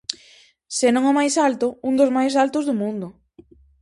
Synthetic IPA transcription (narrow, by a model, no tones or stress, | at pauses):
senõŋɔmajsalt̪ʊund̪ozmajs̬alt̪ʊzðʊmũnd̪ʊ